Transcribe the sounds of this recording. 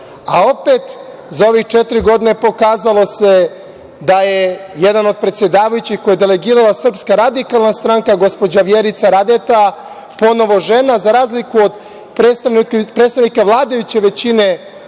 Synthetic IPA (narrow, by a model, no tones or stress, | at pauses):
ao̞pet̪ | zao̞ʋixt͡ʃet̪iɾiɡo̞d̪ine̞po̞kaːzalˠo̞se̞ | d̪ajeje̞d̪ano̞d̪̚pɾet̪sje̞d̪aːʋajut͡ɕixkojed̪ele̞ɡiːɾalasr̩pskaɾad̪ikalˠnast̪ɾaŋkaɡo̞spo̞d͡ʑaʋjeːɾit̪saɾad̪et̪a | po̞no̞ʋo̞ʒe̞nazaɾaːzlikuod̪ | pɾet̪st̪apɾet̪t̪aʋnikaʋlˠaːd̪ajut͡ɕe̞ʋe̞t͡ɕine